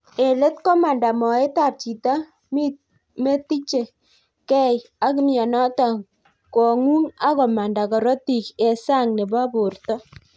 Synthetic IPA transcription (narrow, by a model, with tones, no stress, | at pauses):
e˨le˦tkɔ˦ma˨nda˨mɔ˨e˦ta˨rt͡ʃi˨ta˦ | mi˦ | me˦ti˦t͡ʃe˨ | kɛ˦ja˦k̬ɪ˦mjɔ˨nɔ˦ta˨ŋ | kɔ˨ŋu˦ŋa˦kɔ˨ma˨nda˨kɔ˨ɾo˦ti˨ke˨sa˦˨ŋne˨ba˦bo˨rtɔ˦